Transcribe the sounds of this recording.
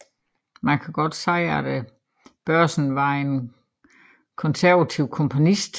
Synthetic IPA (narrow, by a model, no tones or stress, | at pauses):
mænkʰæɡ̥ɒ̽d̥sɑ̈ɪɐæd̥e | b̥ɶɐ̰sn̩ʋɑ̈e̝n | kʰɒ̽nsæɐʋæt͡sʰiʊ̰kʰɒ̽mpʰo̝nisd̥